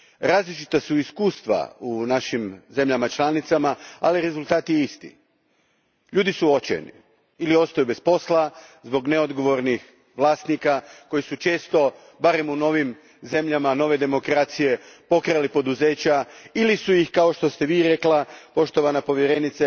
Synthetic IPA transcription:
ɾaːzlit͡ʃit̪asuiskuːst̪ʋa̰unaʃimze̞mʎamat͡ʃlˠanit̪samaa̰liɾe̞zulˠt̪aːt̪jeist̪ḭ | ʎuːd̪isuo̞t͡ɕḛnḭ | ilio̞st̪ajube̞spo̞slˠazbo̞ɡne̞o̞d̪ɡo̞ʋo̞ɾnix | ʋlˠaːst̪nikako̞jisut͡ʃe̞ːst̪o̞ | baɾe̞muno̞ːʋim | ze̞mʎamano̞ːʋe̞d̪e̞mo̞kɾat̪sije̞po̞kɾajlipo̞d̪uze̞ːt͡ɕailisujixkao̞ʃt̪o̞st̪e̞ʋiːɾe̞klapo̞ʃt̪o̞ʋanapo̞ʋje̞ɾe̞nit̪sa

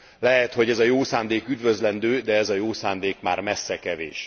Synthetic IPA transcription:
lɛɦɛt̪ho̞ɟɛzɒjoːsaːnd̪eːkyd̪vøzlɛnd̪øːd̪ɛɛzɒjoːsaːnd̪eːkmaːrmɛsːɛkɛvḛːʃ

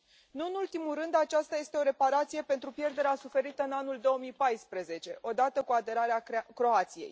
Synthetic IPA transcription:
nuɨnult̪imulrɨnd̪at͡ʃast̪aje̞st̪e̞o̞ɾe̞paɾat̪sije̞pe̞nt̪ɾupje̞rd̪e̞ɾeasufe̞ɾit̪əɨnanuld̪o̞omijpajspɾəze̞t͡ʃe̞ʔo̞d̪at̪əkuad̪e̞ɾaɾeakɾo̞at̪sijej

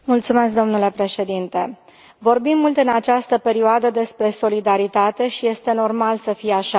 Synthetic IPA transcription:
mult̪sume̞skd̪o̞mnule̞pɾe̞ʃe̞d̪int̪e̞ | vo̞rbimːult̪ɨnat͡ʃast̪əpe̞ɾioad̪əd̪e̞spɾe̞so̞lid̪aɾit̪at̪e̞ʃije̞st̪e̞no̞rmalsəfijeaʃa

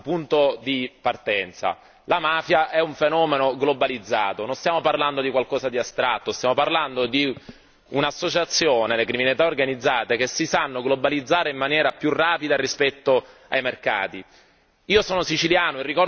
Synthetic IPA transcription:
pːunt̪od̪ipart̪ɛnt̪sa̰ | lamaːfjaʔɛuɱfenɔːmenoɡlobalid̪zːaːt̪ononst̪jaːmoparland̪od̪ikwalkɔːzad̪iast̪ɾat̪ːost̪jamoparland̪od̪i | unasːot͡ʃat̪sːjoːnelekɾiminalit̪aorɡanid̪zːaːt̪ekesːisanːoɡlobalid̪zːaːɾeimːanjɛːɾapjurːaːpid̪arispɛt̪ːoa̰jmerka̰ːt̪i | iːosɔːnosit͡ʃiljaːnoirːikɔr

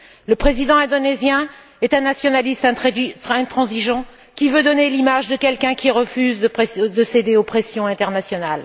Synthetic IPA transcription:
ləpχezid̪ɑ̃ɛ̃d̪ɔnezjɛ̃ | ɛt̪ɛ̃nasjɔnalist̪ɛ̃ɛ̃t̪χɑ̃ziʒɑ̃ | kʲivød̪ɔnelimaʒd̪əkʲɛlkʲɛ̃kʲiʁəfyzd̪əd̪əsed̪eopχesjɔ̃ɛ̃t̪ɛʁnasjɔnal

